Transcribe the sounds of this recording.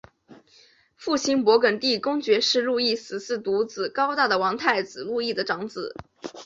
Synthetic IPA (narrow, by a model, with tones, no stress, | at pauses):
fu˥˩ɕi˥npwɔ˧˥kə˨˩nt̪i˥˩kʊ˥ŋt͡ɕɥɛ˧˥ʂɻ̩˥˧lu˥˧i˥˩sɹ̩˨˩sɹ̩˥˩t̪u˧˥t͡sɹ̩˨˩kɑ˥ʊt̪a˥˩d̪ə˩wɑ˧˥ŋt̪ʰa˥˩ɪt͡sɹ̩˨˩lu˥˧i˥˩d̪ə˩ʈ͡ʂɑ˧˥ŋt͡sɹ̩˨˩˦